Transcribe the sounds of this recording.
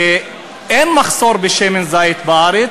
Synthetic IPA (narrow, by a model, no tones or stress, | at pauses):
e | enmaχsoɾbeʃemenzajet̪baaɾe